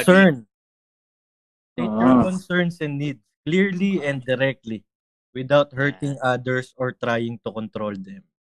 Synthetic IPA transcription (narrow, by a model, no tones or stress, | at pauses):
sɛɹn | t̪ejt̪akɔnsɛɹnsɛnːid̪̚skliɹliɛ̃nd̪ːɛɾɛk̚t̪li | wɪd̪awt̪̚hɛɹt̪ɪŋad̪ɛɹsɔɹt̪ɾaːjɪŋt̪ʊkɔnt̪ɾold̪ɛm